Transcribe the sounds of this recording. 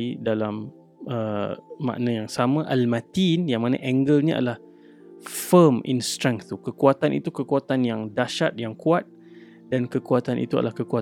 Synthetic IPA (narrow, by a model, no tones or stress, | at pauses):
idalam | əːã̰ʔnãjaŋsamãʔalmãt̪injaŋmanə̰̃ʔɛŋɡəlɲəa̰dəlah | fəmḭnst̪ɾɛŋt̪ukəkuat̪anʔḭt̪ukəkuat̪anjaŋdaʃat̪̚jaŋkuat̪̚ | dankəkuat̪anʔḭt̪ua̰dəlahkəkua